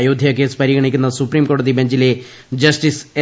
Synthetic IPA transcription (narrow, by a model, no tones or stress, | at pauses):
joːd̪ʱijakeːspəɾiːɡəɽ̃iːkɪnd̪ãːsʊpɾiːmkoːɾʈ̚d̪iːbɛ̃ɲd͡ʒileː | d͡ʒəsʈɪs